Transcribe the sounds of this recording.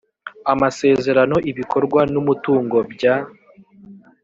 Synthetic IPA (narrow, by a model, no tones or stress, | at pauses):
amase̞ːze̞ɾano̞ʔiβikʰo̞ɾɡwanumutuːŋɡo̞bɟa